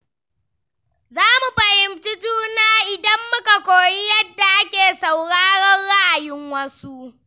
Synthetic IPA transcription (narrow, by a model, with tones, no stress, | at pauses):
zaː˦mu˨ɸɐ˨hɪ˨mt͡ʃɪ˦tuː˦naː˦ʔɪ˨dɐ˦mːʊ˦ka˨kʷoː˨ji˦jɐ˦dːa˨ʔa˦kʲeː˨sa˨wɽaː˦ɽɔ˦rɽa˦ʔa˨jɪ˦ŋwɐ˦su˦ʔ